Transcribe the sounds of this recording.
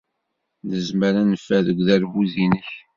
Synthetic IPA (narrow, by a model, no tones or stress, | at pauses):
ðəzməɾænəfːæðəɡʷðæɾvuðinəç